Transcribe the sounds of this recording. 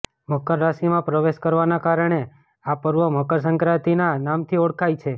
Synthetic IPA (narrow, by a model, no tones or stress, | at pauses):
məkəɾːaʃimãpɾəʋeʃkəɾʋanakaɾəɳ̃e | apəɾʋəməkəɾs̬əŋkɾat̪inanamt̪ʰioɽkʰajt͡ʃʰe